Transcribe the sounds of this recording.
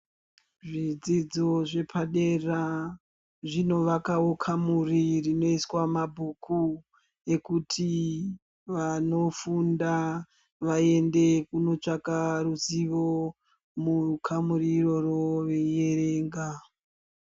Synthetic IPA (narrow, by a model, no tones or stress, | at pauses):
ʐid͡zid͡zo̞ʐe̞pʰaɗera | ʐino̞ʋakaokʰamuririno̞iswamabʱukʰu | e̞kutʰi | ʋano̞funda | ʋae̞nde̞kuno̞t͡ʂakaruziʋo̞ | mukʰamuriro̞roʋeje̞reːŋɡa